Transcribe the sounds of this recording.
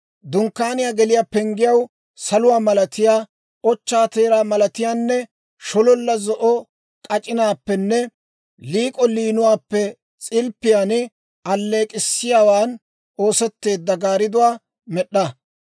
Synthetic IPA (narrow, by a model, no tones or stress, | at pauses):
d̪ʊŋkːaːnɪjaːɡɛlɪjaːpɛŋɡɪjɐw | sɐlʊwaːmɐlɐt̪ɪjaː | ɔt͡ʃːaːt̪eːɾaːmɐlɐt̪ɪjaːnːɛ | ʃɔlɔlːɐzɔʔɔ | kʼɐt͡ʃʼɪnaːpːɛnːɛ | liːkʼɔliːnʊwaːpːɛ | t͡sʼɪlpːɪjaːn | ɐlːe̞ːkʼɪsːɪjaːwaːn | o̞ːsɛt̪ːe̞ːd̪ːɐɡaːɾɪd̪ʊwaː | mɛɗːɐ